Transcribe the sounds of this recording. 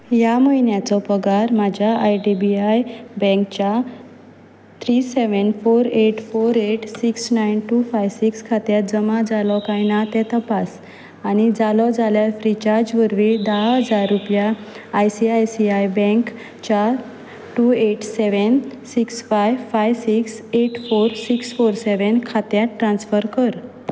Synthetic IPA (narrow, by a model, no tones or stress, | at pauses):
jaməjnjat͡sɔpəɡaɾmad͡ʑʱjaajɖibiajbɛ̃kt͡ɕa | t̪ʰɾiseʋənfoɾeʈfoɾeʈsiksnajnʈufajʋsikskʰat̪jad͡zəmad͡zalɔkajnat̪ɛ̃t̪əpas | añid͡zalɔd͡zaljafɾit͡ɕaɾd͡ʑʋəɾʋid̪aɦɦəd͡zaɾːupjaː | jsiajsiajbɛ̃ŋk | t͡ɕa | ʈueʈseʋənsiksfajʋfajʋsikseʈfoɾsiksfoɾseʋənkʰat̪jaʈːɾãnsfəɾkəɾ